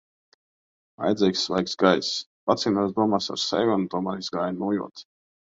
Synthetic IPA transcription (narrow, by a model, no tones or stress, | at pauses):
a̰jd̪zɛjksvajksɡajspat̪siːnas̬d̪uɔmaːsa̰ɾsɛ̰jvɔnt̪uɔmaːɾizɡaːjnuːjṵɔt̪